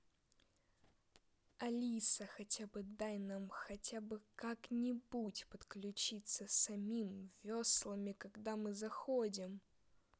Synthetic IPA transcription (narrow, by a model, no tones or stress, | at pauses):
ɐlʲisəxɐtʲabɨd̪ajnamxɐtʲabɨkaknʲɪbutʲpət̪klʲʉt͡ɕit̪səsɐmʲimvʲoslˠəmʲɪkɐɡd̪amɨzɐxodʲɪm